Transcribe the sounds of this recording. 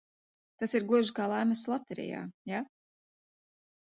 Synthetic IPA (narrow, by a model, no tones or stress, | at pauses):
t̪asiɾɡlˠuʒikaːlˠaːmɛslˠat̪ɛɾɛ̰ja̰ːja